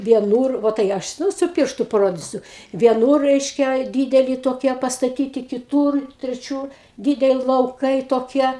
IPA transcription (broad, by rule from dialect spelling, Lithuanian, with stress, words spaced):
ʋʲiɛˈnuːr ˈʋoː tɐɪ ˈɐʃ ˈnuː sʊ ˈpʲɪrʃtʊ pɐˈroːdʲiːsʲʊ ʋʲiɛˈnuːr ˈrʲɛɪʃʲkʲɛ ˈdʲiːdʲɛlʲɪ toːˈkʲiɛ pɐstɐˈtʲiːtʲɪ kʲɪˈtuːr tʲrʲɛˈt͡ʃʲuːr ˈdʲiːdʲɛlʲɪ lˠɐʊˈkɐɪ toːˈkʲiɛ